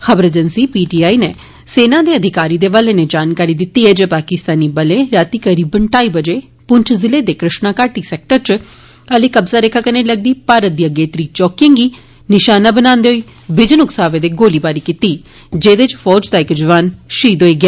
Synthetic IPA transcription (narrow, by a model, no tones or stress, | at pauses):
xəbəɾed͡ʒənsiːpiːʈiːaːiːneː | seːnãːd̪iːəd̪ʱɪkaːɾiːd̪eːʋəleːneːd͡ʒaːnkaːɾiːd̪ɪt̪ːiːɦɛːd͡ʒeːpaːkɪst̪aːniːbəlẽːɾaːt̪iːkəɾiːbəɳʈaːiːbəd͡ʒeː | pʊɲt͡ʃʰzɪleːd̪eːkɾɪʃnaːkaːʈiːsɛːk̚ʈəɾt͡ʃ | əleːkəbzaːɾekʰːaːkəneːləɡ̚d̪iːpaːɾət̪̚d̪ijaɡeːt̪ɾiːt͡ʃɔːkɪ̃ŋɡiː | nɪʃaːnaːbənaːnd̪eːɦoiː | bɪd͡ʒənʊksaːʋeːd̪eːɡoːliːbaːɾiːkiːt̪iː | d͡ʒeːd̪et͡ʃfʰɔːd͡ʒd̪aːɪkd͡ʒəʋaːnʃiːd̪ɦoːiːɡɪaː